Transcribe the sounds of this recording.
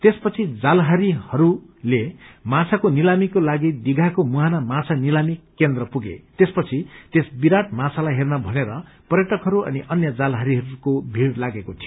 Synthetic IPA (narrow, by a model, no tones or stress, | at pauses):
t̪espʌt͡sʰid͡zalɦaɾihʌɾulemãt͡sʰakonilamikolaɡid̪iɡʱakomuɦanamat͡sʰanilamikːend̪rʌpuɡḛt̪espʌt͡sʰit̪esbiɾaʈmãt͡sʰalajɦernabʱʌneɾʌ | pʌrjʌʈʌkɦʌɾuʌ̰niʔʌnjʌd͡zalɦaɾiɦʌɾukobʱiɽlaɡekot̪ʰijo